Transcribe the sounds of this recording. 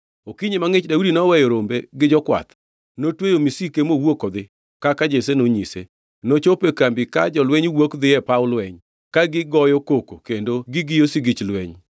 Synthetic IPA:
okiɲemaŋɪt͡ʃdaudinɔwɛjoɾombeɡɪd͡ʒɔkwa̰t̪ | notwejomisikemowokɔd̪ɪ | kakad͡ʒesenoɲisḛ | not͡ʃopekɾambikad͡ʒɔlwɛɲwokd̪ɪjɛpaʊlwɛɲ | kaɡɪɡɔjɔkokokendoɡɪɡɪjosiɡɪt͡ʃlwɛɲ

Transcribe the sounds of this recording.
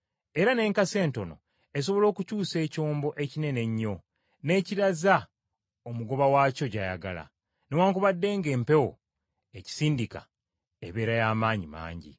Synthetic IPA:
e̞ɾane̞ːŋkase̞ːnto̞no̞̰ | e̞s̬o̞βo̞lo̞ːkucuːse̞ːco̞ːmbo̞ʔe̞cine̞ne̞ɲːo̞ | ne̞ːciɾaza | omuɡo̞βawaːco̞ɟaja̰ɡa̰la̰ | newaːŋkuβadːe̞ːŋɡe̞ːmpe̞wo̰ | eci̥siːndika̰ | ḛβe̞ːɾajaːmaːɲima̰ːɲɟḭ

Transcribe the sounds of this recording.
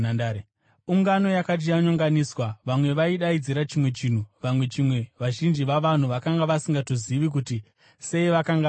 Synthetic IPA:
na | uŋɡano̞jakat̬ijaɲoŋɡaniswaʋamwe̞ʋaiɗaid͡ziɾat͡ʃimwe̞t͡ʃiːn̤uʋamwe̞t͡ʃimwe̞ʋaʒind͡ʒiʋaʋan̤uʋakaŋɡaʋasiŋɡatoziʋik̬uti | se̞iʋakaŋɡa

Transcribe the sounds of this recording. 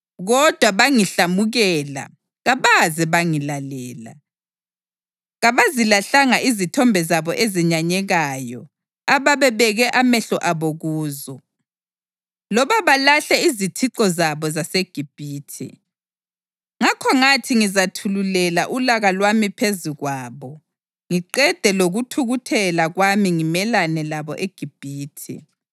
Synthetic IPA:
ɣɔd̥ʱwaβaŋiɬamuɣɛːla̰ | ɣaβazɛβaŋilalɛːla̰ | ɣaβazilaɬaŋaʔizitʰɔmbʱɛzaβɔʔeziɲaɲɛɣajɔ̰ | aβaβɛβɛɣɛʔamɛɬɔʔaβoɣuːzɔ | lɔβaβalaɬɛizitʰiǁɔzaβɔzaseɡ̥ʱib̥ʱiːtʰḭ | ŋakʰɔŋatʰiŋizatʰululɛlaʔulaɣalwamipʰeziɣwaːβɔ | ŋiǃɛd̥ʱɛloɣutʰuɣutʰɛlaɣwamiŋimɛlanɛlaβɔʔeɡ̥ʱib̥ʱiːtʰḭ

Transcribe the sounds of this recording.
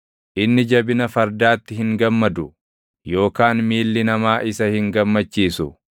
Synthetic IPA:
ʔɪnːɪd͡ʒɐbɪnɐfɐɾd̪aːt̪ːɪɦɪŋɡɐmːɐd̪ʊ | jo̞ːkaːnmiːlːɪnɐmaːʔɪsɐhɪŋɡɐmːɐt͡ʃːiːsʊ

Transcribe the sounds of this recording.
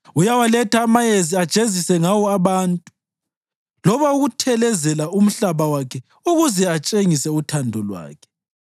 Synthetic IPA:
ujawalɛtʰaːmajeziad̥ʒ̥ʱezisɛŋawɔaβaːntʼu̥ | lɔβauɣutʰɛlɛzɛlaum̩ɬaβawakʰɛ | uɣuzɛat͡ʃʼeŋisɛutʰandʱɔlwa̰ːkʰɛ̥

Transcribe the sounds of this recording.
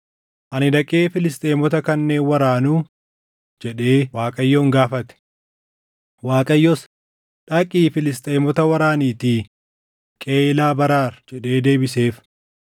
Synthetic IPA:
ʔɐnɪd̪ɐkʼe̞ːfɪlɪst̪ʼeːmɔt̪ɐkɐnːe̞ːnwɐɾaːnuː | d͡ʒɛᶑe̞ːwaːkʼɐjːoːŋɡaːfɐt̪ɛ̥ | waːkʼɐjːɔs | ᶑɐkʼiːfɪlɪst̪ʼeːmɔt̪ɐwɐɾaːniːt̪iː | kʼe̞ːlaːbɐɾaːɾd͡ʒɛᶑeːd̪e̞ːbɪse̞ːf

